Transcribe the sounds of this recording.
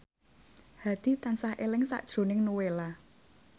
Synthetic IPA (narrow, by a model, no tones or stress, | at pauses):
had̪̥i̤t̪ansahʔelɪŋsa̰ʔd̥ʒ̥o̤nɪŋnuwela